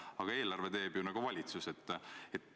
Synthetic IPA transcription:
ɑɡ̥ɑe̞ːlɑrve̞t̪e̞ːb̥junɑɡ̥uvɑlʲit̪suse̞t̪ˑːet̪ː

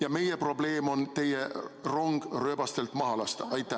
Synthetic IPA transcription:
jɑme̞jepro̞ble̞ːmo̞nt̪e̞jero̞ŋɡ̥rø̞ːb̥ɑst̪e̞lt̪mɑɦɑlɑst̪ɑjt̪ːˑæ

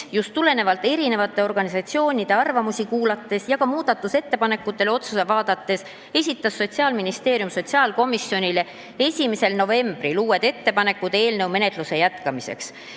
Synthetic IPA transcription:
just̪ːule̞ne̞vɑlt̪ːˑe̞ɾine̞vɑt̪ˑːe̞o̞rɡ̥ɑnisɑt̪sio̞ːnʲid̪̥e̞ɑrvɑmusikuːlɑt̪ːe̞sjɑkɑmuːd̪̥ɑt̪ːˑuse̞t̪ːe̞pɑne̞kːˑut̪ːˑe̞leo̞t̪susevɑːd̪̥ɑt̪ːe̞s | e̞sʲit̪ːˑɑsːo̞t̪ʲsiɑːlminist̪e̞ːɾjumso̞t̪ʲsiɑːlko̞misːio̞nʲile̞ | e̞sʲime̞se̞lno̞ve̞mb̥riluːe̞d̪̥e̞t̪ːe̞pɑne̞kːˑud̪̥e̞ːlnɤwme̞ne̞t̪ˑluse̞jæt̪kɑmise̞̰ks

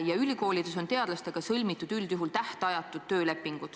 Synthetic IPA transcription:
jɑylʲiko̞ːlid̪̥uso̞nt̪e̞ɑd̪̥lɑst̪e̞ɡ̥ɑsɤlʲmit̪ːˑud̪̥yld̪juɦult̪æht̪eɑjɑt̪ːˑud̪̥̚t̪ːø̞ːle̞pːiŋɡ̥ud̪

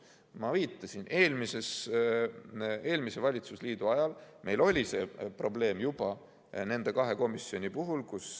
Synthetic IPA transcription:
mɑviːt̪ˑːɑsine̞ːlmise̞s | e̞ːlmise̞vɑlʲit̪susliːd̪uɑjɑlmʔe̞̰jlo̞lʲise̞̰pro̞ble̞ːmjub̥ɑ | ne̞nd̪̥e̞kɑɦe̞ko̞misːio̞nʲipuɦulkus

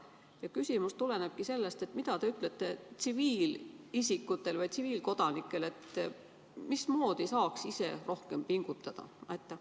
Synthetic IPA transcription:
jɑkysʲimust̪ule̞neb̥̚kise̞lːe̞st̪e̞t̪ːˑmid̪̥ɑt̪e̞yt̪ːˑlet̪ˑːe̞t̪siviːlisikːut̪ːˑe̞lvɑjt̪siviːlko̞d̪ɑnikːˑe̞le̞t̪ | mismo̞ːd̪isɑːksise̞̰ro̞hke̞mpiŋɡ̥ut̪ːˑɑd̪̥ɑ̰ɑjt̪ːˑɑ

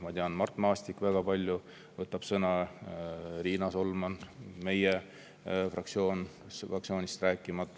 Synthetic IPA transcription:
mɑt̪eɑnmɑrt̪mɑːst̪ikvæɡ̥ɑpɑlʲju | vɤt̪ːˑɑb̥sɤnɑ | ɾiːnɑso̞lmɑnme̞je | frʔɑkt̪sio̞ːn | sɑk̚sio̞ːnʲist̪ræːkːˑimɑt̪ˑː

